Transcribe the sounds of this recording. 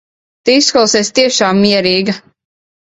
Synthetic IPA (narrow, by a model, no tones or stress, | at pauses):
t̪iisklalˠsɛst̪iɛʃaːmːiɛɾiːɡɐ